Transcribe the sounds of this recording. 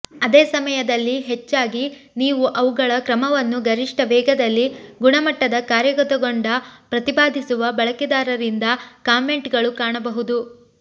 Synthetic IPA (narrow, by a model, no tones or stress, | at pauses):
ɐd̪eːsɐmɐjɐd̪ɐlːiɦet͡ʃːaːɡi | niːʋuʔɐʋuɡɐɭɐkɾɐmɐʋɐnːuɡɐɾiʂʈɐʋɛːɡɐd̪ɐlːiɡuɳɐmɐʈːɐd̪ɐkaːɾjɐɡɔt̪ɐɡoɳɖɐpɾɐt̪ibaːd̪ʱisuʋɐbɐɭɐkid̪aːɾɐɾind̪ɐkaːme̞ɳʈɡɐɭukaːɳɐbɐɦud̪u